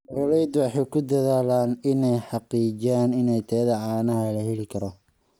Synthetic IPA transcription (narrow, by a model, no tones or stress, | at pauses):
mɔlɛjd̪wɑħɑjkʰʊd̪ɐðaːlaːnɪnɛjħɑqiːd͡ʒaːnɪnɛjt̪ʰɛːðɐʕɑːnɐɦɐlɐɦɛlɪkʰɐɾɔ